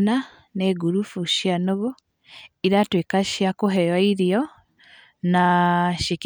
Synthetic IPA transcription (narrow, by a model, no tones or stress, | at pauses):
na | nɛɡuɾufuʃjanoɣo | iɾatwekaʃiakoɦɛjwaiɾiɔ | naʃik